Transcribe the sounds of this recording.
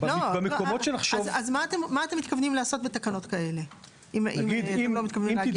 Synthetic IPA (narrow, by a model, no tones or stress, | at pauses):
blobemekomotʃenaχʃovazmaːt̪emːaːt̪emːitkavnimlaːso̞t̚bet̪akano̞t̪kae̞le̞ | imʔimɡiaelomit̪kavnimi